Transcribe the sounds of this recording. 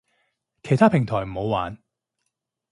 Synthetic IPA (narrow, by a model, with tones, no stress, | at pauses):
kʰe˨˩jt̪ʰaː˥pʰɪ˨˩ŋt̪ʰɔː˨˩jm̩˨˩ho˨˧waː˨n